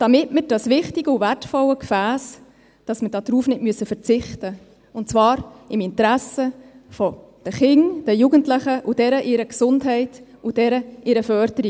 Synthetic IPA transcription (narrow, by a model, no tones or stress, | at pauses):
d̥ɑmɪtməɾd̥ɑsʋɪχtiɡəuværtfɔləkfæːs | d̥ɑsməd̥ɑːd̥ɾuːfnɪtmyəsəfəɾt͡sɪχtə | ʊnt͡svɑːɾɪmɪntɾæsəfɔ | d̥əχɪŋd̥əjuɡəntləχəʔud̥ɛɾəʔɪɾəksʊndɦɛɪtud̥ɛɾəʔɪɾəfœɾd̥əɾi